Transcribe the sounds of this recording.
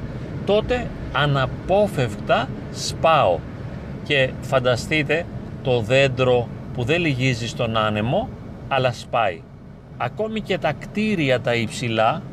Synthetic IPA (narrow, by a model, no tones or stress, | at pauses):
t̪o̞t̪e̞ | ɐnɐpo̞fe̞fkt̪ɐ | spɐo̞̰ | ce̞fɐnd̪ɐst̪it̪e̞t̪o̞ðe̞nd̪ɾo̞puðe̞liʝizist̪o̞nɐnemo̞ | ɐlɐspɐḭ | ɐko̞mice̞t̪ɐkt̪iɾiɐt̪ɐipsilɐ